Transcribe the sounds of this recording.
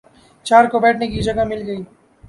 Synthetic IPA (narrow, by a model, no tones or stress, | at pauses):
t͡ʃaːɾkobɛːʈʰnekid͡ʒɐɡamɪlɡəiː